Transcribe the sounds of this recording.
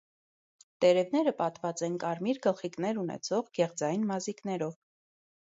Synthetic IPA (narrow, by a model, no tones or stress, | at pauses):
t̪ɛɾɛvnɛɾəpɑt̪vɑt͡sɛnkɑɾmiɾɡəlχiknɛɾunɛ̰t͡sʰɔʁɡɛʁd͡zɑjnmɑziknɛɾɔv